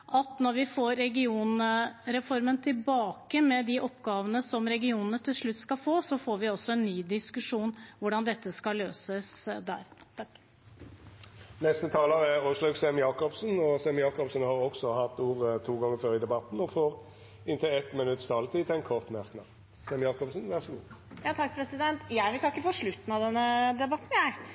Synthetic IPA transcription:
ʔɑt̪nɔɾʋɪfoːɾːɛɡɪuːnɾɛfɔɾmənt̪ʰɪlbɑːkəmɛd̪ɪʔɔpːɡɑːʋənəsɔmɾɛɡɪuːnənət̪ʰɪlʂɭʉt̪ːskɑfoːsɔfoːɾʋɪɔsːɔɛnːyːd̪ɪskʉʂuːnʋʊɖɑnd̪ɛt̪ːəskɑløːsəsd̪æ̰ːɾt̪ʰ | nɛst̪ət̪ʰɑːləʁɛɔsløɡsɛmjɑːkɔbsnɔsɛmjɑːkɔbsnhɑɾɔɡsɔhɑt̪ːuːʁət̪ʰuːɡɑŋːəføːɾɪd̪ɛbɑt̪n̩ɔfoːʁ | ɪnt̪ʰəlɛt̪mɪnʉt̪ːəst̪ʰɑːlət̪ʰiːt̪ʰæɪnkʰɔʁt̪mæʁknɑ̰ː | sɛmjɑːkɔbsnʋæʁsɔɡṵːjɑːt̪ʰɑkːpʰɾɛsɪd̪ɛnt̪jæɪʋɪt̪ɑkːəfɔʂɭʉt̪ːən̩ɑʋd̪ɛnːəd̪ɛbɑt̪ːn̩jæɪ

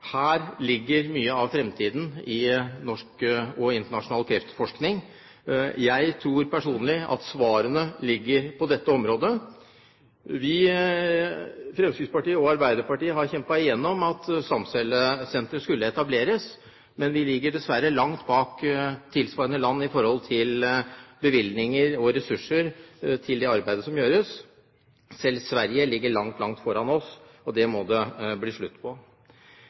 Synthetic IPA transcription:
hæːɾlɪɡːəɾmyːəɑʋfɾɛmt̪ʰiːd̪n̩ɪnɔʂkɔɪnt̪əɳɑʂʊnɑːlkʰɾɛft̪fɔʂknɪŋ | jæɪt̪ʰɾuːɾpʰæʂuːnəlɪʔɑ̰t̪sʋɑːɾənəlɪɡːəɾpʰɔd̪ɛt̪ːəɔmɾoːd̪ə | ʋɪ | fɾɛmskɪɡspɑʈiːəɔɑɾbæɪd̪əɾpɑʈiːəɦɑɾçɛmpɑɪjɛnːɔmɑt̪sɑmsɛləsɛnt̪ɾəskʉlːəɛt̪ɑbleːɾəs | mɛnʋɪlɪɡːəɖɛsʋæɾːəlɑŋt̪bɑːkt̪ʰɪlsʋɑɾənəlɑnːɪfɔɾhɔlt̪ʰɪlbəʋɪlnɪŋəɾɔɾɛsʉʂːəɾt̪ʰɪld̪ɛɑɾbæɪd̪əsɔmjøːɾəs | sɛlsʋæɾjəlɪɡːəɭɑŋt̪ʰlɑŋt̪fɔɾɑnɔs | ɔd̪ɛmɔd̪ɛbliːʂɭʉt̪ːpʰɔ

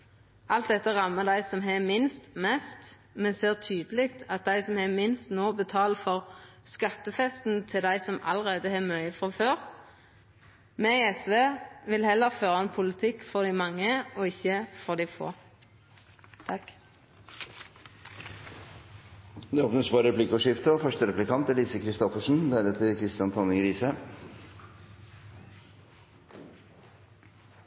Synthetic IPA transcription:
ʔɑlt̪̚d̪ɛt̪ːəʁɑmːəd̪æɪsɔmɦɛmɪnst̪mɛst̪ | mɛseːʁt̪ʰyːd̪əlɪkt̪ʰɑt̪̚d̪æɪsɔmhɛmɪnst̪noːbət̪ʰɑːlfɔʁ | skɑt̪ːəfɛst̪n̩t̪ʰɪld̪æɪsɔmɑ̰ləʁeːd̪əhɛmœʏəfʁɑføːʁ | mɛɛsʋeːʋɪlhɛlːəʁføːʁəɑnpʰʊlɪt̪ʰɪkːfɔʁd̪ɪmɑŋːəoːɪçəfɔʁd̪iːfo̰ː | t̪ʰɑk | d̪ɛoːpnʉsbɑːɾəɾɛpʰlɪkəʂɪft̪əɔːfœʂʈəɾɛplɪkʰɑnt̪æliːsəkʰɾɪst̪ɔfəʂn̩d̪eːlət̪ʰɪlkʰɾɪst̪ɪɑnt̪ʰɔnəɡɾiːsə

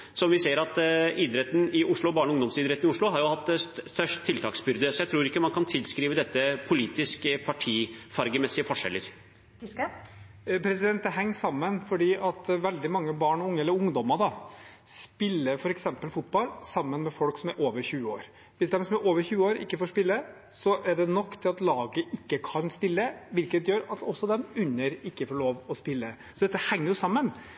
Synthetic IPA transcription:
sɔmʋɪseːəɾɑt̪iːd̪ɾɛt̪ːən̩ɪʔʊʂɭʊbɑːɳɔʊŋd̪ɔmsiːd̪ɾɛt̪ːnɪʊʂɭʊɦɑɾjʊhɑt̪ːst̪œʂʈt̪ʰːɪlt̪ʰɑ̰ːksbʏɾd̪əsɔjæt̪ʰɾuːɾɪkːəmɑnkʰɑnt̪ʰɪlskɾiːʋəd̪ɛt̪ːəpʰʊliːt̪ɪskəpʰɑʈʰiːfɑɾɡəmɛsːɪəfɔʂɛlːəɾ | pʰɾɛsɪd̪ɛnt̪d̪ɛɦɛŋːsɑmːənfɔɖiːʔɑt̪ʋɛld̪ɪmɑŋːəbɑːɳɔʊŋːəɛlːəɾʊŋd̪ɔməɖɑspɪlːəfɔɾɛksɛmpəlfʊt̪̚bɑlsɑmːənmɛfɔlksɔmæɾʔoːʋəɾçʉːəoːɾ | ʋɪsd̪ɛmsɔmæɾʔoːʋəɾçʉːəoːɾɪ̰kːəfoːʂpɪlːə | sɔʔɛɖɛnɔkːt̪ʰɪlɑt̪lɑːɡəʔɪkːəkʰɑnst̪ɪlːəʋɪlkət̪jøːɾɑt̪ɔsːɔd̪ɛmʉnːəɾɪkːəfoːɭoːʋɔspɪlːə | sɔd̪ɛt̪ːəhɛŋːəɾjʊsɑmːən

